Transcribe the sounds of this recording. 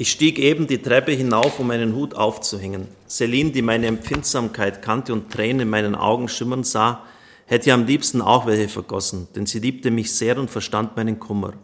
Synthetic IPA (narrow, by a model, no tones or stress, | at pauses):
ʔɪçʃtiːkʔeːbm̩diːtʁ̥ɛpəɦɪnaʊfʊmːaɪnənɦuːtʰa̰ʊft͡suɦɛŋən | z̥eliːndiːmaɪnəɛmp͡fɪntz̥aːmkʰaɪtkʰantəʊntʁ̥ɛːnənɪnmaɪnənʔa̰ʊɡŋ̩ʃɪmɐnzaː | hɛtəamliːpstn̩a̰ʊxv̥ɛlçəfɛɐɡ̥ɔsn̩d̥ɛnziːliːp̚təmɪçz̥eːɐʊntfɛɐʃtantmaɪnənkʰʊmɐ̰